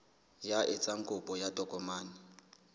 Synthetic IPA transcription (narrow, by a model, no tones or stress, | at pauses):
jaʔɪt͡sʼaŋ̩kʼʊpʼɔjatʼɔkʼɔmaːnɪ